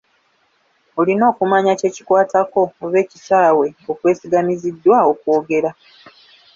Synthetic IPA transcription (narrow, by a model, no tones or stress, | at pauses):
o̞lino̞ːkumaɲace̞ːci̥kwaːtako̞oβe̞ːcisaːwe̞okwe̞ːsiɡamizidːwao̞kwo̞ːɡe̞ɾa